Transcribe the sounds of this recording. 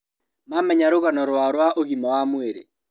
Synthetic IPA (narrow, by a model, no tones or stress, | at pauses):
mamɛɲaɾoɣanɔɾwaɾwaʔoɣimɔwamweɾḛ